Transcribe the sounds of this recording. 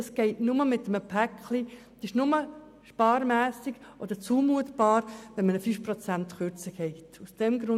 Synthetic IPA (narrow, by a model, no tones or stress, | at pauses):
ɑsɡ̥ɛɪtnʊməmɪtːəməpʰækʰli | d̥ɪʃnʊmə | ʃpɑːɾmæːsiɡʔɔd̪əɾt͡suːmuətb̥ɑːɾʋɛnmənəfyfprɔt͡sæntχøɾt͡səɡ̥ɛɪtusd̥ɛmɡɾʊ